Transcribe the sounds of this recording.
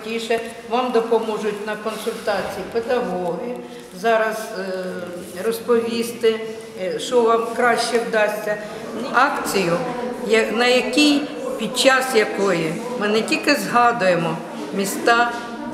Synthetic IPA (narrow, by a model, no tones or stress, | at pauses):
tʲiʃɛ | ʋɑmd̪ɔpɔmɔʒʊtʲnɐkɔnsʊlʲt̪ɑt͡sʲijiped̪ɐɦɔɦɪ | zɑɾɐz | rɔspɔʋʲist̪ɪ | ʃɔʋɑmkɾɑʃt͡ʃɛwd̪ɑsʲtʲːɐ | nɑkt͡sʲijʊjɐnɐjɐkʲijpʲid̪̚t͡ʃɑsjɐkɔjɪ | mɪnetʲilʲkɪzɦɑd̪ʊjemɔ | mʲist̪ɑ